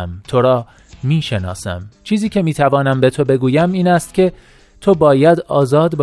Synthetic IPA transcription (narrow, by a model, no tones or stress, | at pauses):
mt̪ʰo̞ɾɒː | miːʃe̞nɒ̰ːsæ̰mt͡ʃʰiːziːcʰe̞miːt̪ʰævɒːnæmbe̞t̪ʰo̞be̞ɡuːjæmiːnæst̪cʲʰe̞ | t̪ʰo̞bɒːjæd̪ɒːzɒːd̪b